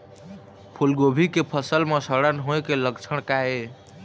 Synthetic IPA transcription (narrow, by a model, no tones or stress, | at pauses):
pʰulɡobʱikepʰəsəlmesəɽənɦoekeləkt͡ʃʰəɽ̃kae